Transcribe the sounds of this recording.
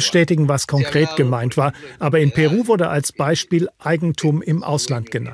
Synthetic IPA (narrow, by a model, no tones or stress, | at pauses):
əʃtɛːtɪɡŋ̩vaskʰɔŋkʁ̥eːtɡ̥əmaɪntv̥aːɐʔaːbɐɪnpʰɛʁ̞uːvʊɐdəʔalsb̥aɪʃpiːlʔaɪɡŋ̩tʰuːmɪmʔa̰ʊslantɡ̥əna̰nt